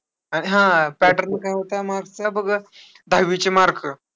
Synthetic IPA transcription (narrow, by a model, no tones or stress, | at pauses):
aɽ̃iɦãpæʈəɾnkajɦot̪amaɾɡt͡sabəɡə | d̪ʱaʋit͡ɕemaɾkə